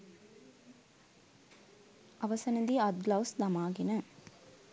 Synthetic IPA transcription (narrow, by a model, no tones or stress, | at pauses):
ʔɐʋɐsɐnɐd̪iɐd̪̚ɡlɐwsd̪ɐmaːɡenə